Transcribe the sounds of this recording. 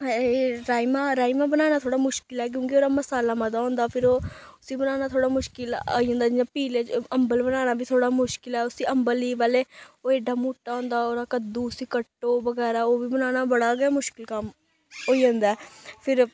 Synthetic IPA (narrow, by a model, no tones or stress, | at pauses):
eɾaːimaːɾaːimãːbənaːñaːt̪ʰoːɽaːmʊʃkɪlɛːk̬jõːkioːɾaːməsaːlaːmãd̪aːɦõːnd̪aːpʰɪɾoːʊsiːbənaːnaːt̪ʰoːɽaːmʊʃkɪlo̰ːiːɦõːnd̪aːd͡ʒɪjãːpiːleːt͡ʃəmbəlbənaːnaːbiːt̪ʰoːɽaːmʊʃkɪlɛːʊsiːəmbəliːʋaːleːoːeɖaːmuːʈːaːɦõːnd̪aːoːɾaːkəd̪uːʊsiːkəʈːoːbəɡɛːɾaːoːʋiːbənaːñaːbəɽaːɡamʊʃkɪlkəm | oːiːɦõːnd̪aɛːpʰɪɾ